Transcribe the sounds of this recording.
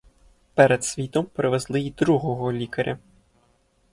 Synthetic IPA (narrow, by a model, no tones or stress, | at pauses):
pɛɾɛt̪sʲʋʲit̪ɔmpɾɪʋɛzlˠɪid̪ɾuɣɔɣɔlʲikɐɾʲʔɐ